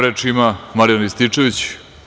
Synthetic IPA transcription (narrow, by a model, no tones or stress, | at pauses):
ɾet͡ʃimamaɾjanist̪it͡ʂe̞ʋit͡ɕ